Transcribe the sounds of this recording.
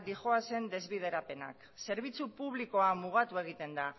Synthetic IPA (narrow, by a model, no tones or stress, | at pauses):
d̪ixo̞ase̞nd̪e̞zβiðe̞ɾape̞na̰k | se̞ɾβ̞it͡supuβ̞liko̞amuɣ̞at̪ue̞ɣ̞it̪e̞nd̪a